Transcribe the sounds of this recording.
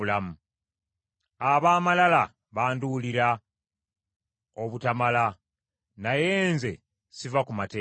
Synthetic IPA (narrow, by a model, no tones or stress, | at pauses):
lamu | aβaːmalala | βaːnduliɾa | oβutamala | naje̞ːnze̞ | sivakumateː